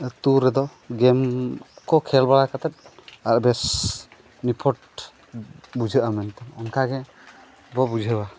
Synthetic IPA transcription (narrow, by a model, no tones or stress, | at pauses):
t̪uɾɛd̪ɔ | ɡɛmkɔkʰɛlbalakʰat̪ɛt̪̚aɾbɛs | nipʰɔʈ | bud͡ʒʱɯʔamɛnt̪ɛmɔnkʰaɡɛ | bɔbud͡ʒʱba